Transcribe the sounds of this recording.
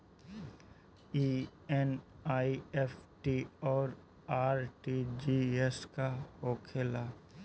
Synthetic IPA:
iɛnaːiefʈiɔːɾ | aːɾʈid͡ʒiɛskahoːkʰeːlaː

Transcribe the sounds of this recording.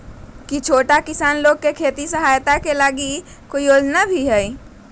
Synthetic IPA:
kit͡ʃʰoːʈakɪsaːnloːɡ̚kekʰeːt̪isəɦaːjt̪akelaːɡi | koioːd͡ʒnabʱiɦɛi

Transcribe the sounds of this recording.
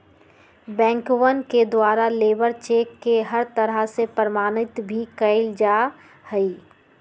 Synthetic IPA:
bɛ̃ːŋkwənked̪waːɾaleːbəɾt͡ʃeːkːeɦəɾt̪əɾəɦsepəɾəmaːnɪt̪bʱikəɪld͡ʒaː | həi

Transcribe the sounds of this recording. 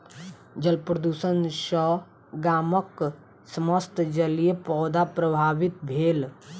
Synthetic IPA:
d͡ʒəlpɾəd̪uːsənʃə | ɡaːmək | səməst̪d͡ʒəlijepɔːd̪apɾəbʱaːbɪt̪bʱeːl

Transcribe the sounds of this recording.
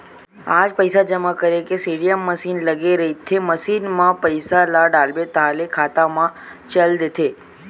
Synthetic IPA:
ad͡ʒpəjsad͡ʒəmakəɾekesiɽijəmːəsinləɡeɾəɦit̪ʰeməsinmãpəjsalaɖalbet̪alekʰat̪amãt͡ʃəld̪t̪ʰe

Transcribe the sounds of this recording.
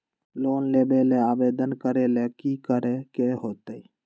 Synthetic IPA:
loːnleːbeːleaːʋeːd̪ənkəɾeːleːkiːkəɾekeːɦoːt̪əi

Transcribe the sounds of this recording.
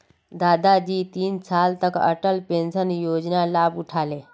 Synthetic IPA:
d̪aːd̪ad͡ʒiːt̪iːnsaːlt̪əkə̰ʈəlpẽːnsənjoːd͡ʒnalaːbʊʈʰaːleː

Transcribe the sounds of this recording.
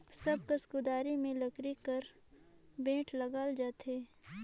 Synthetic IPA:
sɐb̚kɐskud̪aːɾimẽlɐkɾikɐɾ | bẽːʈʰlɐɡaːld͡ʒaːt̪ʰeː

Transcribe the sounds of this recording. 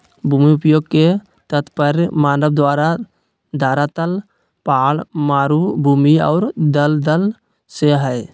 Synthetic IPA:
bʱuːmiʊpjoːɡ̚ke | t̪ət̪pəɾmaːnəb̚d̪ʋaːɾa | d̪ʱaːɾat̪əl | paːlmaːɾubʱuːmiɔ̰ːɾd̪əld̪əl | seɦɛe

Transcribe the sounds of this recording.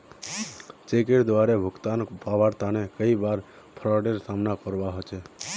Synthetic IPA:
t͡ʃek̬eʈd̪ʋaɾebʱəɡt̪anpaʋaɾt̪anekəiʋaɾ | pʰɾɔɖəɾsamnakəɾʋaɦət͡ʃʰe

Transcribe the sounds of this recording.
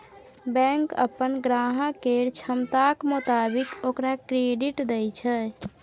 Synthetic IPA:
bɛ̃ŋkə̰pːənɡɾaɦəkeɾt͡ʃʰəmt̪akmut̪abikokɾakɾeɖiʈd̪ɛjt͡ʃʰə

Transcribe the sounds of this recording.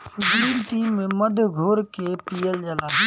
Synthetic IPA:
sʊpɽiːmʈiːmːẽməd̪ʱɡʱoːɾkepijəld͡ʒəlaːɦɛ

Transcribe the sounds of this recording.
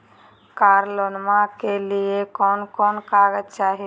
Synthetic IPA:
kaːɾloːnmãkeliekɔːnkɔːnkaːɡət̪̚t͡ʃaːɦi

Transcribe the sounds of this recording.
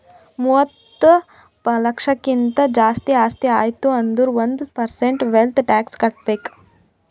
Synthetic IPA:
muət̪ː | plɐkʂɐkint̪ɐd͡ʒaːst̪iaːt̪iaːjt̪uɐnd̪uɾʋɐnd̪pɐɾseɳʈʋelt̪ʰʈɛːkskɐʈ̚pek

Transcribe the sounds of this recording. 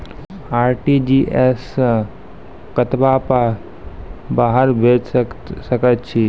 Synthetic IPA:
aːɾʈid͡ʒiʔes | kət̪bapa | baɦəɾbʱed͡ʒsəkət̪t͡ʃʰi

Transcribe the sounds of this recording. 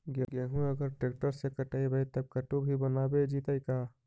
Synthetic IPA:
ɡəɡəɦũəɡəɾʈɾek̚ʈəɾsekəʈəibʱəjt̪əb̚kəʈobʱibənabed͡ʒit̪əka

